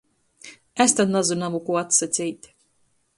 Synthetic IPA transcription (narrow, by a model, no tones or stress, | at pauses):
æst̪ad̪nazunamukuat̪sat̪sʲijt̪ʲ